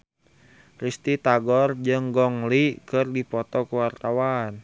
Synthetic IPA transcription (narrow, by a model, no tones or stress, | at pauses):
rist̪it̪aɡɔrd͡ʒɨŋɡɔŋlikɨrdipɔt̪ɔkuwart̪awan